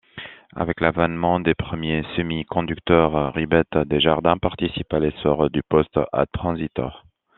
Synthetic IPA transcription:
a̰vɛklavanmɑ̃d̪epχəmjesəmikɔ̃d̪ykt̪œʁːibɛt̪d̪eʒaʁd̪ɛ̃paʁt̪isipalesɔʁd̪ypɔst̪a̰t̪χɑ̃zit̪ɔ̰ʁ

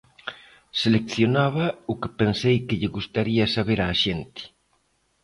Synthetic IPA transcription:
selekθjonaβ̞ɐʊkɪpensejkɪʎɪɣust̪aɾiɐsaβeɾaːʃent̪ɪ̥

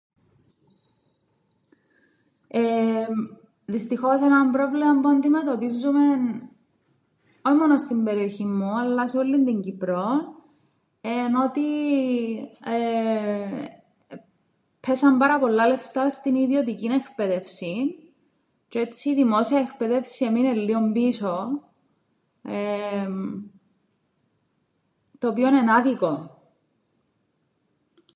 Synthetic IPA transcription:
e | ðist̪ixo̞senɐmpɾo̞vlemɐmbuɐnd̪imet̪o̞pizːume̞n | oçimo̞nost̪imbe̞ɾio̞çimːuɐlːɐseolːind̪iɲɟipɾo̞n | eno̞t̪i | pʰesɐmbɐɾɐpo̞lːɐle̞ft̪ɐst̪iniðiot̪̬icinekpeðe̞fsin | t͡ʃoet͡sʰːiːðimosiɐekpeðe̞fsieminelːiombiso | em | t̪oːpionenaðiko

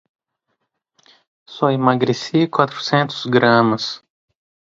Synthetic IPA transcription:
sɔimaɡɾesikwat̪ɾʊ̥sẽnt̪ʊ̥zɡɾɐ̃mɐs

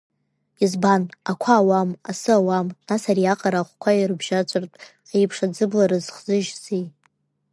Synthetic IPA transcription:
izbanakʷʰaːwamasɨawamnasarijaqʼaɾaχʷkʷʰajirɨbʒat͡ʃʷʼartʼ | ajpʰʂad͡zɨblaɾɨzχzɨʒzej

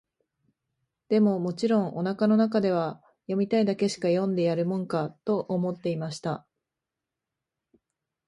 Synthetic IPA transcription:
d̪̥e̞mo̞mo̞t͡ɕiɾõ̞ŋʔo̞nakano̞nakad̪e̞β̞a | jo̞mʲit̪aid̪ake̞ɕi̥kajõ̞nd̪e̞jaɾɯ̟mõ̞ŋkat̪o̞ʔomo̞t̪ːe̞imaɕi̥t̪a

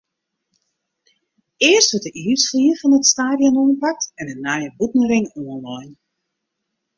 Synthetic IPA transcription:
ɪərstʋøtəʔiːsfliəfɔnətstaːdjɔnɔːnpak̚tɛnənajəbutnəɾɪŋɔənlɔjn

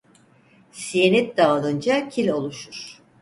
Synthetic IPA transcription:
sijenɛt̪̚d̪aːlˠɯnd͡ʒacʰilʲo̞lˠuʃuɾ̥

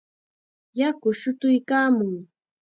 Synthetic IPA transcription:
jakʊʃʊt̪ʊjkaːmʊŋ

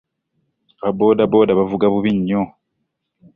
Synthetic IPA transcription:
βabo̞ːdabo̞ːdaβavuɡaβuβiɲːo

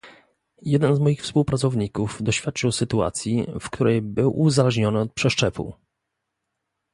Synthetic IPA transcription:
jɛd̪ɛnzmɔjixfspuwpɾat̪sɔvɲikuvd̪ɔɕfʲjat̪̚t͡ʂɘwsɘt̪ua̰t̪sʲjifk̚t̪uɾɛjbɘwʔuzalɛʐɲɔnɘɔt̪̚pʂɛʂt͡ʂɛpṵ

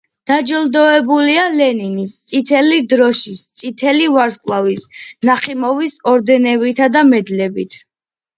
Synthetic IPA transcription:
d̪̥ad͡ʒɔlˠd̪ɔɛbulialɛninist̪sʼit̪ʰɛlid̪ɾɔʃist̪sʼit̪ʰɛlivaɾskʼlˠavisnaχimɔvisɔɾd̪ɛnɛbit̪ʰad̪amɛd̪lɛbit̪ʰ

